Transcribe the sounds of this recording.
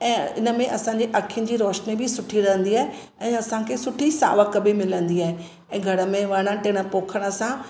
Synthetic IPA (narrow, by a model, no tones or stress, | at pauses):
ɛ̃ːɪ̰nə̆mẽʔɐsãːɲd͡ʑeʔɐkʰijʊnɪ̆d͡ʑiːɾoːʃnibʱɪsʊʈʰiɾɐɦə̃nd̪iaːɦe | ɛ̃ːɐsãkʰeːsʊʈʰisa̰ːʋəkəbʱɪmɪlə̃nd̪iaːɦe | ɛ̃ːɡʱɐɽə̆mẽʋɐɽ̃əʈɪ̃ɪɽ̃ə̆poːkʰəɽ̃ə̆sã